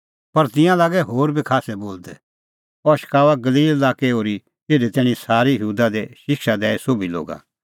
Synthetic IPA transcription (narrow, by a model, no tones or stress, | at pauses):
pɐɾt̪ɪ̃jãlaːɡɛɦoːɾbʱikʰaːsɛboːld̪ɛ | ɔʃə̥kaːʋaɡɐliːllaːkeoːɾi | t̪eːɖɛt̪ɛːɽ̃ĩsaːɾijəɦuːd̪ad̪ɛʃɪkʃad̪ɛːɛsoːbʱilo̰ːɡa̰